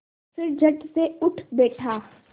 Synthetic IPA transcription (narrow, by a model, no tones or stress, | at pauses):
fɪɾd͡ʒɐʈseʊʈʰbɛːʈʰaː